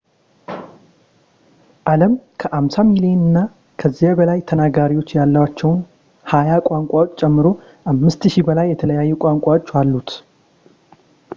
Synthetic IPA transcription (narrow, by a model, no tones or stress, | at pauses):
ʔaləmkʰəʔamsamilienɨnːa | kʰəzːijabəlajt̪ʰənaɡaɾiwo̞t͡ʃːjalːəwat͡ʃːɛwn | hajakʷʼaŋkʷʼawot͡ʃːt͡ʃʼːɛmːɨɾo̞ | ʔamːɨst̪ʃibəlajːɛt̪ʰələjajːɛkʼaŋkʷʼawot͡ʃːalːut̪